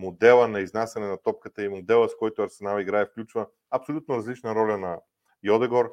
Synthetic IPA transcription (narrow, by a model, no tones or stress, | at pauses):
mod̪ɛlˠənɐiznasɛnɛnɐt̪ɔp̚kət̪əimod̪ɛlˠəskɔjt̪oɐɾsɛnalˠiɡɾaɛfklʲut͡ʃvə | ɐpsolʲut̪noɾɐzlit͡ʃnɐɾɔlʲɐnɐ | jɔd̪ɛɡoɾ